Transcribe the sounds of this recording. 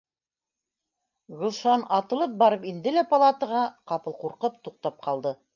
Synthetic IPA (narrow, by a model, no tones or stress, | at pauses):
ʁɤ̆lˠʃɑnɑt̪ɤ̆lˠɤp̚bɑɾɤpind̪ɘlæpɐlˠɑt̪ɤ̆ʁɑqɑpɤ̆lˠquɾqɤp̚t̪uq̚t̪ɑp̚qɑlˠd̪ɤ